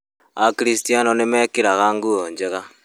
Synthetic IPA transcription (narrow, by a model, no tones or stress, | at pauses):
akiɾistianonemekiɾaɣaŋɡuoɲd͡ʒeɣa